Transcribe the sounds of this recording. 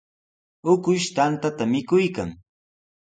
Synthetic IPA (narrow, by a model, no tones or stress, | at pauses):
ʊkʊʃt̪ant̪at̪amɪkʊjkaŋ